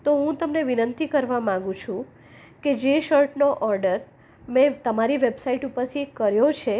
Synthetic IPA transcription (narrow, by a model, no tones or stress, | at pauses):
t̪oɦũt̪əmneʋinənt̪ikəɾʋamãŋɡũt͡ʃʰũ | ked͡ʒeʃəɾʈnoʔɔɾɖəɾ | mɛ̃t̪əmaɾiʋebsaiʈupəɾt̪ʰikəɾjot͡ʃʰe